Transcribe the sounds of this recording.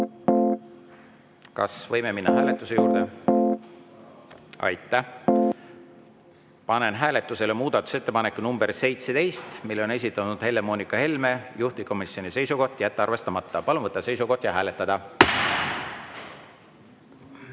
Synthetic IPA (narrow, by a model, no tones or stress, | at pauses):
kɑ̰svɤjmeminːɑɦæːle̞t̪ːˑuse̞juːɾd̪̥e | ɑ̰jt̪ːˑæ | pɑne̞nɦæːle̞t̪ːˑuse̞le̞muːd̪̥ɑt̪ːˑu̥se̞t̪ːe̞pɑnekːˑunumb̥erse̞jt̪set̪e̞jst̪milːeone̞sit̪ːˑɑnud̪̥he̞lːemoːnikːˑɑhe̞lme̞juht̪iko̞misjo̞nise̞jsuko̞ht̪ːˑjæt̪ːeɑrve̞st̪ɑmɑt̪ːɑpɑlunvɤt̪ːɑse̞jsuko̞ht̪jɑɦæːle̞t̪ːˑɑd̪̥ɑ